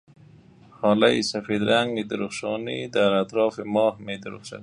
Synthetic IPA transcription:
hɑlajḭsafed̪ɾaŋɡed̪əɾuχʃɑnid̪aɾat̪ɾɑfɪmɑːhmed̪əɾṵχʃa̰

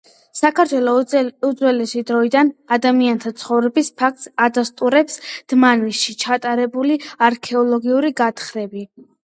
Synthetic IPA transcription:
sakʰaɾt̪ʰwɛlˠɔud̪zwɛlɛsid̪ɾɔid̪anad̪amiant̪ʰat̪sʰχɔvɾɛbispʰak̚t̪ʼsad̪ast̪ʼuɾɛpsd̪̥manisʃit͡ʃʰat̪ʼaɾɛbuliaɾkʰɛɔlˠɔɡiuɾiɡat̪ʰχɾɛbi

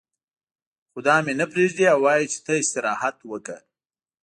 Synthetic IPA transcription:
xʊd̪ɑmenapɾeʒd̪iawːɑjit͡ʃe̥t̪əɪst̪ɪɾɑhat̪wəkə̰

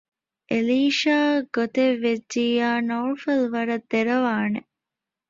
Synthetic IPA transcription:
ʔeliːʃaːɡot̪eʋːed͡ʒːiːaːnoːɾfelʋɐɾɐd̪ːeɾɐʋaːne

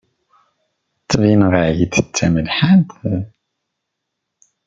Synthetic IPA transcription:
t̪ˤːəvinʁəʕjid̪ət͡sːæməlħant̪

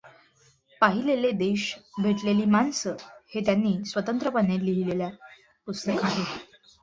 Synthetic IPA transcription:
paɦileled̪eɕbʱeʈleliːmansəhet̪janːiːsʋət̪ənt̪ɾəpənet̪liɦilelja | pust̪əkaɦe

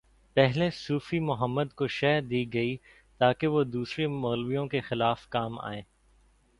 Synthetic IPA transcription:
pɛɦlesuːfimʊɦəmːəd̪koʃɛːd̪iːɡɐi | t̪aːkeʋod̪uːsɾemɔːlʋijõkexɪlaːfkaːma̰ːẽː

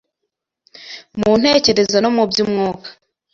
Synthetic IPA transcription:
muːn̥he̞ːce̞ɾe̞zano̞mubjimŋoːkḁ

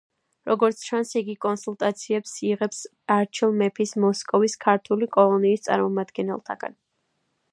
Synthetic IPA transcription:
ɾɔɡɔɾt̪sʰt͡ʃʰansiɡikʼɔnsulˠt̪ʼat̪sʰiɛpsiʁɛps | aɾt͡ʃʰilˠmɛpʰismɔskʼɔviskʰaɾt̪ʰulikʼɔlˠɔniːst̪sʼa̰ɾmɔmad̪ɡɛnɛ̰lˠt̪ʰa̰ɡ̥a̰n

